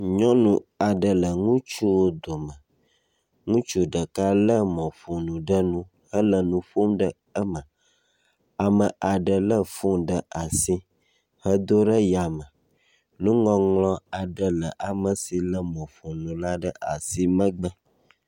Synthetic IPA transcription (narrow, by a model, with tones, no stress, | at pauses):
ɲɔ̃˦nũ˨a˨ɖə˨lə˨ŋũ˦t͡ʃu˦wo˦d̪o˨mə̃˨ | ŋũ˦t͡ʃu˦ɖə˨ka˦lə˦mɔ̃˨fu˨nũ˨ɖə˦nũ˦ | hə˦lə˨nũ˨ɸo˦mɖə˦ | ə˦mə̃˨ | a˨mə˨ʔa˨ɖə˨lə˦fũ˦ɖə˨a˨si˦ | hə˦d̪o˦ɖə˦ja˨mə˨ | nũ˦ŋɔ̃˦ŋlɔ̃˦a˨ɖə˨lə˨ʔa˨mə˨si˨lə˦mɔ̃˨fu˨nũ˨la˦ɖə˦ʔa˨si˦mə̃˦ɡ͡bə˦